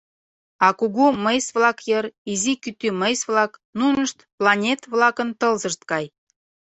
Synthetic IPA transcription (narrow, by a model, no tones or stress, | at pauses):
ɑkuɣuməjsβlɑkjəɾizikyt̪yməjsβlɑknunəʃt̪plɑnʲet̪βlɑkə̆nt̪ɤ̆lzəʃt̪̚kɑj